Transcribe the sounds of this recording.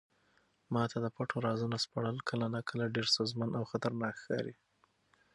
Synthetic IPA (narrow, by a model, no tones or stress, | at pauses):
mɑt̪ʰad̪əpaʈʰoɾɑzunaspaɽəlkʰəlanakʰəlaɖeɾsozmanʔawxat̪aɾnɑkxkɑ̰ɾḭ